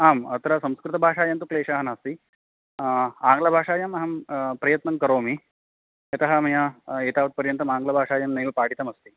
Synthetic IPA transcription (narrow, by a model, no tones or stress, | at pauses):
aːmɐt̪ɾɐsɐmskɾut̪ɐbʱaːʂaːjɐnt̪ukleːʂaːɦɐnaːst̪i | aːŋɡlɐbʱaːʂaːjɐmɐɦɐmpɾɐjɐt̪nɐŋkɐɾoːmi | ɐt̪ɐɦɐmɐjɐeːt̪aːʋɐt̪̚pɐɾjɐnt̪ɐmaːŋɡlɐbʱaːʂaːjɐmneːlpaːɽit̪ɐmɐst̪i